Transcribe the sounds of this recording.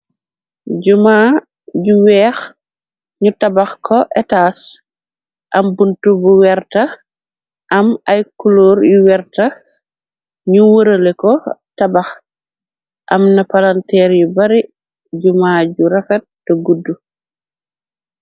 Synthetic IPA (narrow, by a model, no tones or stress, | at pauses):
ɟumaː | ɟuwɛːx | ɲutɐbaxkʰɔʔɛtaːs | ʔɐmbuntubuwɛɾtɐ | ʔɐmɐjkuloːɾjuwɛɾtɐ | ɲuwuɾəlɛkɔtɐbɐx | ʔɐmnɐpalantɛːɾjubɐɾi | ɟumaːɟuɾɛfɛt̚dɔɡudːu